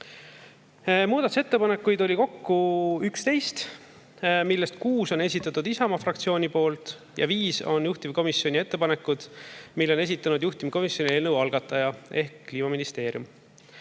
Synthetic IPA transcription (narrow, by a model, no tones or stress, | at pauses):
muːd̪̥ɑt̪u̥se̞t̪ːe̞pɑne̞kːujd̪o̞lʲiko̞kːuykst̪e̞jst̪ | milːe̞st̪kuːso̞ne̞s̬ʲit̪ːˑɑt̪ːˑud̪isɑmɑfrɑk̚t̪sio̞ːnʲipo̞ːlt̪ | jɑ̰viːso̞̰njuht̪imko̞misːjo̞nʲie̞t̪ːe̞pɑne̞kːud̪̥milːo̞ne̞s̬ʲit̪ːˑɑnud̪juht̪imiko̞misjo̞nʲie̞ːlnəwɑlɡ̥ɑt̪ːˑɑjɑe̞hkːliːmɑminist̪e̞ːɾʲjum